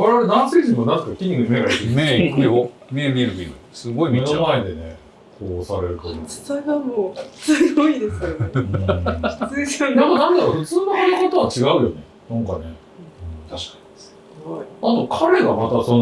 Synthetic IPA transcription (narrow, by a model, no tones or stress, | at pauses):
aɾeaɾenãɰ̃siʑĩmonãzekːakʲiɲ̟ʲːiɡɯɲimeɡaɾikɯmeikɯjo | mebʲiɾɯɡʲḭɡɯsɨɡoimenomaed̪e̞ne | kʰoːsaɾe̞ɾɯ̟t̪oo̥t͡sanamosɨɡoid̪esɨka | ɡonamonãnd̪aɾoɸɯ̟t͡sɨːnohonokot̪oβat͡ɕiɡaɯ̟jo̞ne | nãŋkane̞ | ɯ̃t̪aɕi̥kḁɲi̥sɨ | ɡoiat̪o̞kʰaɾe̞ɡamat̪ason